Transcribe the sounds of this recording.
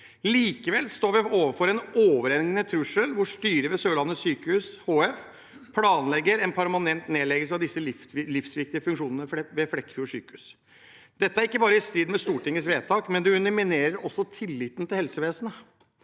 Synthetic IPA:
liːkəʋɛlst̪oːɾʋɪoːʋəɾfɔɾɛnoːʋəɾɛnɡənət̪ʰɾʉʂəlʋʊʂt̪yːɾəʋɛsøːlɑnːəsyːkəhʉshoːɛf | pʰlɑːnlɛɡːəɾɛnpʰæɾmɑnɛnt̪neːlɛɡəlsəɑʋd̪ɪsːəlɪfsʋɪk̚t̪ɪəfʉŋkʂuːnənəʋɛflɛkːfjuːsy̰ːkəʉs | d̪̥ɛt̪əæɾɪkːəbɑːɾəɪst̪ɾiːd̪mɛst̪uːʈɪŋːəsʋeːt̪ʰɑːkmɛnd̪ɛʉnəmɪneːɾəɾɔsːɔt̪ʰɪlːɪːt̪n̩t̪ʰɪlhɛlsəʋeːsənə

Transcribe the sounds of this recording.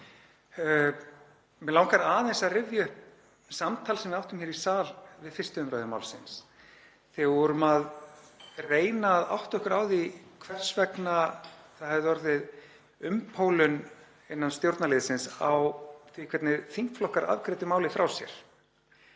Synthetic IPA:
mɛlawŋkaɾaːðensaðrɪvjʏhp | samt̪ʰalsɛmvɪawht̪ʏmçɛɾisaːlvɪðfɪr̥st̪ʏʏmɾœːðʏmaːwlsɪns | θɛɣvɔɾʏmað | reːjnaːða̰wht̪œhkʏɾaːwðikʰvɛr̥svɛknaθaðhɛvðɪɔɾðɪð | ʏmpʰowlʏn | ɪnːanst̪jowɾt̪nalɪːðsɪnsa̰wθvikʰvɛt̪nɪθiŋ̥kflɔhkaɾʔa̰ðkɾɛt̪ɪmaːwlɪfɾa̰wsjɛ̰ɾ̥

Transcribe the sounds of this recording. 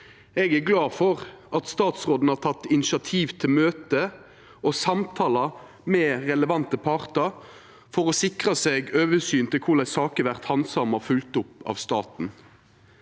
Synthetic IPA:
ɛɡæɡlɑːfɔʁɑt̪st̪ɑːt̪sʁoːd̪n̩hɑːt̪ʰɑt̪ːɪnɪʃɑt̪ʰiːʋt̪ʰɪlmøːt̪ə | ʔɔsɑmt̪ʰɑːlɑ | mɛʁɛləʋɑnt̪əpʰɑʁt̪əɾ | fɔʁɔsɪkʁɑseɡøːʋəsyːnt̪ɪlkʰʊlæɪsɑːkəʋæʁt̪hɑnsɑmɑfʉlt̪ʊpːɑ̰ːʋst̪ɑːt̪n̩

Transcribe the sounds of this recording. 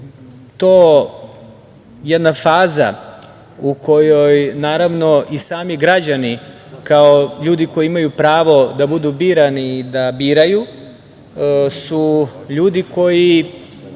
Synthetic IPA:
t̪oː | jed̪nafaːza̰ | ukʰo̞jojnaːɾaʋno̞ʔisaːmiɡɾad͡ʑani | kaoʎuːd̪iko̞jiimajupɾaːʋo̞d̪abud̪ubiːɾanid̪abiːɾaju | suʎuːd̪iko̞ji

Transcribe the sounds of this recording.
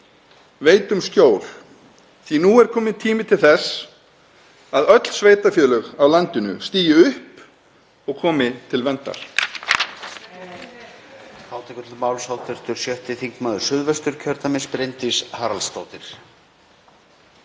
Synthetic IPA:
veːjt̪ʏmscjoːwl̥ | θinuɛɾ̥kʰɔːmɪnt̪ʰiːmɪt̪ʰɪlθɛs | aðœt̪l̥sveːjt̪afjœːlœɣawlant̪ɪnʏ̰st̪iːjɪʏhp | ɔɣkʰɔːmɪt̪ʰɪlvɛnt̪a̰ɾ̥ | haːwt̪ʰɛkʏt̪lʏmawlsawt̪ʰvɛɾ̥t̪ʏɾ̥sjœht̪ɪθiŋkmaːðʏɾ̥sʏðvɛst̪ʏɾ̥cʰœɾt̪amɪnspɾejnt̪ɪshaːɾalst̪aːwt̪ɪɾ̥

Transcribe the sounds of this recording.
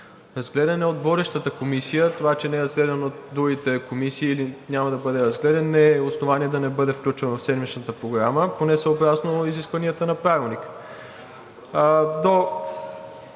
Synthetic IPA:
ɾɐzɡlɛd̪ənɛod̪vɔd̪ɛʃt̪ət̪əkomisijət̪ovat͡ʃɛnɛɛɾɐzɡlɛd̪ənot̪d̪ɾuɡʲit̪ɛkomisiːlinʲjamɐd̪ɐbɤd̪ɛɾɐzɡlɛd̪ɛnnɛosnovaniɛd̪ɐnɛbɤd̪ɛfklʲut͡ʃɛnofsɛd̪mit͡ʃnət̪əpɾoɡɾaməponɛsɛobɾasnoiziskvɐniət̪ənɐpɾavilˠnik | d̪o

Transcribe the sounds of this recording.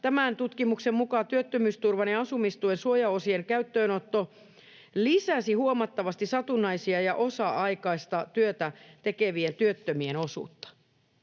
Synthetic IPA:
t̪æmænt̪ut̪kimuksemmukɑt̪yøt̪ːømyːst̪urʋɑnɑɑsumist̪uensuojɑosieŋkæyt̪ːøːnot̪ːo | lisæsihuomɑt̪ːɑʋɑst̪isɑt̪unːɑisiɑjɑʔosɑʔɑikɑist̪ɑt̪yøt̪æt̪ekeʋient̪yøt̪ːømieno̞sṵːt̪ːɑ̥

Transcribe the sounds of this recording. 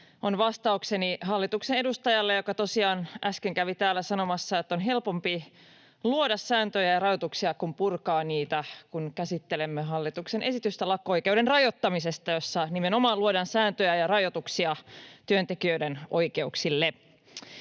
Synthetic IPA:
onʋɑst̪ɑukseniɦɑlːit̪uksenedust̪ɑjɑlːejo̞kɑt̪o̞siɑːnʔæskeŋkæʋit̪æːlːæsɑno̞mɑsːɑet̪ːonɦe̞lpo̞mpi | luodɑsːæːnt̪øjæjɑrɑjot̪uksiɑkumpurkɑːniːt̪ækunkæsit̪ːelemːeɦɑlːit̪uksenʔe̞sit̪yst̪ælɑkːoojkeudenrɑjot̪ːɑmisest̪ɑjosːɑnimeno̞mɑːluodɑnsæːnt̪øjæjɑrɑjo̞t̪uksiɑt̪yønt̪ekiøidenʔo̞jke̞uksilːe

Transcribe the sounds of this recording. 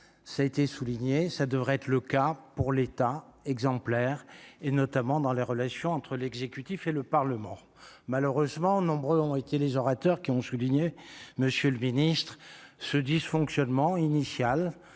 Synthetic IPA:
saet̪esuliɲesad̪əvʁɛɛt̪χləkapuʁlet̪aɛɡzɑ̃plɛʁenɔt̪amɑ̃d̪ɑ̃leʁəlasjɔ̃ɑ̃t̪χəlɛɡzekʲyt̪ifeləpaʁləmɑ̃ | maləʁøzmɑ̃nɔ̃bʁøɔ̃et̪elezɔʁat̪œʁkʲiɔ̃suliɲeməsjøləminist̪χsəd̪isfɔ̃ksjɔnmɑ̃inisjal

